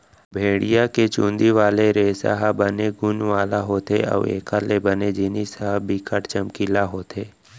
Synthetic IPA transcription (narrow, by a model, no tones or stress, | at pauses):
bʱeːɽijaket͡ʃũːnd̪iʋaːleɾeːsə̰ɦəbəneɡʊnʋaːlaɦoːt̪eɔ̰ːḛːkʰalebəned͡ʒɪnisəɦəbikʰəʈt͡ʃəmkilaɦoːt̪ʰeː